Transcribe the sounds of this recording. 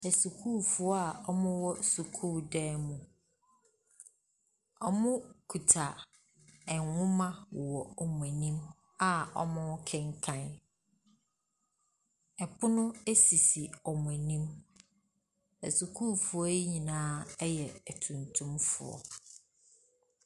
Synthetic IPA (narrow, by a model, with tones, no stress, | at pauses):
æ˨su˨kʰu˦fʊ˨˦ɔ˦a˦˨ɔ˦mʊ̃˦wɔ˦su˨kʰuː˦˨dɛː˦mũ˨ | ɔ˦mʊ̃˦kʰu˨tʰa˨ | ɛ˨ŋwʊ̃˦mã˦˨wɔ˨ɔ˨mũ˨æ˨nĩ˦m | a˨ɔ̰˦mʊ̃˦kʰɛ̃˦ŋ˦kʰã˦n | ɛ˨pʰʊ˦nʊ̃˦e˦si˨si˨ɔ˨mʊ̃˨æ˨nĩ˦m | æ̰˨su˨kʰuː˦fʊ˨ɔ˦e˦ɲĩ˨nãː˦ɛ˦jɛ˨tʰũ˨ntʰũ˦mfʊ̰˨ɔ̰˨